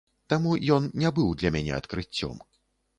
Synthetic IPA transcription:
t̪amujɔnnʲɛbɨwd̪lʲɐmʲænʲɛ̰ɐt̪kɾɨt͡sʲːɔ̰m

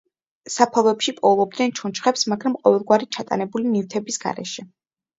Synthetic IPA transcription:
sapʰalˠɔɛpʃipʼɔlˠɔb̚d̪nɛnt͡ʃʰunt͡ʃχɛpsmaɡɾamqʼɔvɛlˠɡwaɾit͡ʃʰat̪ʼa̰nɛbulinift̪ʰɛbisɡ̥a̰ɾɛ̰ʃɛ

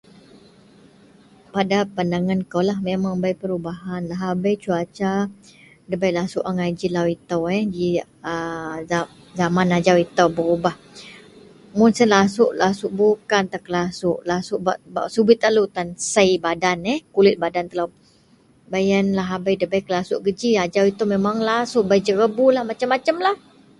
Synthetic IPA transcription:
padapandaŋankolahmemaŋbajpəɾubaɦanlaɦabəjt͡ʃuat͡ʃa | dəbajlasuʔaŋad͡ʒilawit̪əwɛd͡ʒi | əa | zamanad͡ʒawit̪əwbəubah | mʊnsənlasʊʔlasʊʔ̚bukant̪akəlasʊʔlasʊʔbaʔba̰ʔsubɪt̪alut̪ansəjbadanɛhkulɪt̪̚badant̪əla | bajənlaɦabəjdəbajkəlasʊʔɡəd͡ʒiad͡ʒawit̪əwmemaŋlasʊʔbajd͡ʒəɾəbulahmat͡ʃamːat͡ʃəmlah

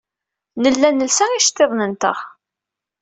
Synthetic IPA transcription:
nəlːænəlsæiʃt̪ːeðˤnənt̪ə̰χ

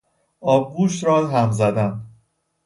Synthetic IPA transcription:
ɒːb̚ɡuːʃt̪ɾɒːzɦæmzæd̪æn

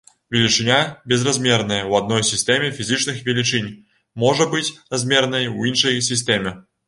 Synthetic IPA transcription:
vʲelʲit͡ʂɨnʲabʲɛzrazʲmʲɛrnɐjɐwad̪̚nɔjsʲisʲt̪ɛmʲɛfʲizʲit͡ʂnɨxvʲelʲit͡ʂɨnʲ | mɔʐɐbɨt͡sʲrazʲmʲɛrnɐjwinʂɐjsʲisʲt̪ʲemʲɛ

